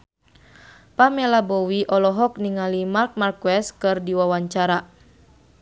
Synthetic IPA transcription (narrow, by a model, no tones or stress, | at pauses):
pamɛlabɔwiʔɔlɔɦɔk̚niŋalimark̚markwɛskɨrdiwawaɲt͡ʃaɾa